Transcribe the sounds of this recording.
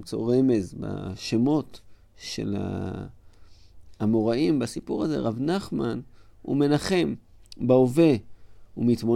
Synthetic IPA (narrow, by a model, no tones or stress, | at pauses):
t͡so̞̰ʁe̞me̞zba̰ʃemo̞t | ʃe̞̰la̰ | amoʁaimbasipuʁaze̞̰ʁavnaχmanṵme̞naχe̞m | baove̞umitmo̞